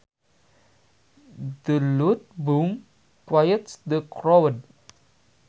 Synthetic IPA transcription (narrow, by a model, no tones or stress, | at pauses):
dəlut̪̚bum | kwajətsd̪əkɾɔəd̚